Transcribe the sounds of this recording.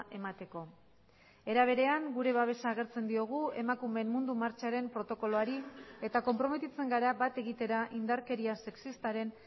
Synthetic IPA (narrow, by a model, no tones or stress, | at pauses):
ʔe̞mat̪e̞ko̞ | e̞ɾaβ̞e̞ɾe̞aŋɡuɾe̞βaβ̞e̞saːɣ̞e̞ɾt͡se̞nd̪io̞ɣ̞ue̞makume̞mmːund̪umaɾt͡ʃaɾe̞mpɾo̞t̪o̞ko̞loaɾie̞t̪ako̞mpɾo̞me̞t̪it͡se̞ŋɡaɾabat̪e̞ɣit̪e̞ɾaʔind̪aɾke̞ɾiase̞ksist̪aɾe̞n